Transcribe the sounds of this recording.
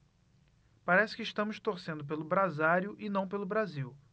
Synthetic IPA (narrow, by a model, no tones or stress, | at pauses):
paɾɛsɪ̥kɪiʃt̪ɐ̃mʊst̪oɾsẽnd̪ʊp̬elʊbɾazaɾjʊʔɪnɐ̃w̃pelʊbɾaziw